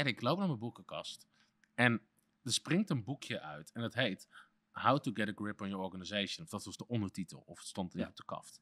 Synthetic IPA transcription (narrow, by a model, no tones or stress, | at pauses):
ɛnɪklowp̚naːməbukəkɑst | ɛn | dəsprɪŋtənbukʰjəʔœ̰ɥtʰɛndɑtɦejt | hawtuɡɛɾəɡɹɪpɔnjəɔɹɣanizejʃə̃nɔfdɑtʋɑzdəʔɔndətitə̰lˠɔ̰fətstɔntɪtɔpdəkɑ̰ft